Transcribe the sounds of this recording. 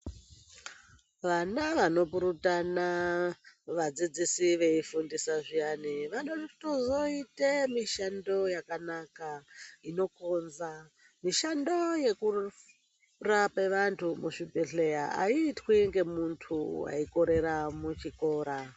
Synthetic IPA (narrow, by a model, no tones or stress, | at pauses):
ʋanaʋano̞puɾutana | ʋad͡zid͡zisiʋe̞ifundisaʐijaniʋanotozo̞itemiʃando̞jakanakaino̞konza | miʃando̞je̞ku | rapeʋantʰumuʂipeɬe̞jaa̰iːtwiŋɡe̞muntʰuwa̰iko̞ɾe̞ɾamut͡ʃiko̞ːɾa